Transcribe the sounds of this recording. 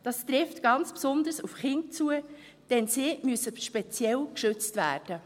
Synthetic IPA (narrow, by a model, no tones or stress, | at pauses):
d̥ɑstɾɪftɡ̥ɑnt͡spsʊnd̪əsufχɪnt̚t͡suə | d̥ɛnsɪmyəsəʃpɛt͡sjɛlkʃʏt͡stvæ̰ːrd̥ə